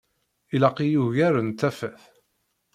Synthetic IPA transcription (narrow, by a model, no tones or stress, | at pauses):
ilɑqijuʝæɾənt̪æfæθ